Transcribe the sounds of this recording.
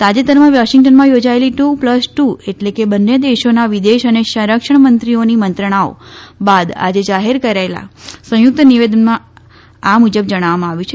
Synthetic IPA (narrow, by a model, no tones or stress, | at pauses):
t̪ad͡ʒet̪əɾmãʋaʃiŋɡʈənmãjod͡ʒaeliʈupləsʈueʈlekebənːed̪eʃonaʋid̪eʃəneʃə̃ɾəkʂəɳ̃mənt̪ɾionimənt̪ɾəɽ̃ao̰bad̪a̰d͡ʒed͡ʒaɦeɾkəɾaela̰sə̃jʊk̚t̪əniʋed̪ənmã | amud͡ʒəbd͡ʒəɽ̃aʋamãaʋjũt͡ʃʰe